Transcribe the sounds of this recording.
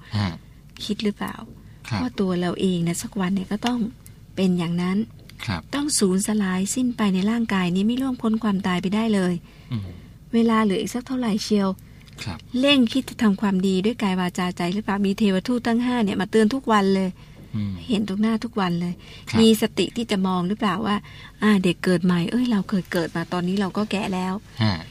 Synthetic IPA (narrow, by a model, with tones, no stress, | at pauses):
kʰi˦˥t̪̚ɾɯ˦˥pa̰ː˨˩wʰ | waː˥˩t̪u˧ɐɾa˧wʔeː˧ŋni˧˥˩sa˦˥k̚wa˧nːi˥˩ɐkɔː˥˩t̪ɔ˥˩ŋ | pe˧njaː˨˩ŋna˦˥nʰ˧ | t̪ɔ˥˩ŋsuː˩˦nsa˧laː˨˦jsi˧˥˩npa˧jna˧jɾaː˥˩ŋkaː˧jniː˧˥˩mi˧˥lu˥˩əmkʰo˧˦˥nkʰwaː˧mt̪aː˧jp̬a˧jda˥˩jlɤː˧j | weː˧laː˧lɯː˨˦ʔḭː˨˩sa˦˧˥k̚t̪ʰa˥˩wɾa˨˩jkʰi˧əwʰ | le˥˩ŋkʰi˦˥t̪̚t͡ɕa˨˧˩t̪ʰa˧mkʰwaː˧mdiː˧du˥˩əjkaː˧jwaː˧t͡ɕaː˧t͡ɕa˧jɾɯ˦˥paː˨˩wmiː˧t̪ʰeː˧waː˧t̪ʰuː˥˩t̪ʰːa˥˩ŋɦaː˥˩ni˥˩maː˧t̪ɯ˧ənt̪ʰu˦˥k̚wa˧nlɤː˧j | a˥˩jhe˩˦nt̪ʰo˧ŋnaː˥˩t̪ʰu˦˥k̚wa˧nlɤː˧j | miː˧sa˧t̪ḭ˨˩ʔt̪ʰiː˥˩t͡ɕa˨˩mɔː˧ŋɾɯ˦˥plaː˨˩wːaː˥˩ | ʔaː˧˩de˨˩kːɤː˨˩t̪̚ma˨˦jʔɤː˧˥˩jɾa˧wkʰɤː˧jkɤː˨˩t̪̚maː˧t̪ɔː˧nːiː˦˥ɾa˧wkɔː˥˩kɛ̰ː˨˩lɛː˦˥w